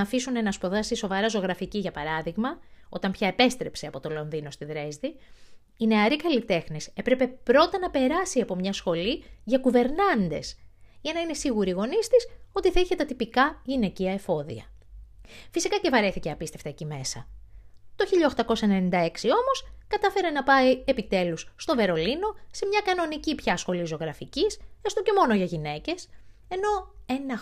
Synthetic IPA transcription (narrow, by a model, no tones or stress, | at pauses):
ɐːfisune̞nɐspoðɐsiso̞vɐɾɐzoɣɾɐficiʝɐpɐɾɐðiɣmɐo̞t̪ɐmpçɐepe̞st̪ɾe̞pseɐpo̞t̪o̞lo̞nðino̞st̪iðɾe̞zði | ine̞ɐɾikɐlit̪e̞xnise̞pɾe̞pe̞pɾo̞t̪ɐnɐpe̞ɾɐsiɐpo̞mɲɐsxo̞liʝɐkuve̞ɾnɐnd̪e̞̰sʝɐnɐine̞siɣuɾiːɣo̞nist̪iso̞t̪iθɐiçe̞t̪ɐt̪ipikɐʝine̞ciɐefo̞ðḭɐ̰ | fisikɐce̞vɐɾe̞θiceɐpist̪e̞ft̪ɐecime̞sɐ̰t̪o̞çiʎɐoxt̪ɐko̞sɐenenind̪ɐe̞ksio̞mo̞skɐt̪ɐfe̞ɾe̞nɐpɐiepit̪e̞lusːt̪o̞ve̞ɾo̞lino̞se̞mɲɐkɐno̞nicipçɐsxo̞lizoɣɾɐficisest̪o̞ce̞mo̞no̞ʝɐʝine̞ce̞se̞no̞enɐ